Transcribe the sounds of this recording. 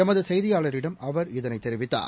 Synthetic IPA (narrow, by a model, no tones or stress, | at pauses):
ɐmɐðɯsɛjðɪjaːɭɐɾɪɽɐmʔɐʋɐɾɪðɐnɐɪt̪ːɛɾɪʋɪt̪ːa̰ː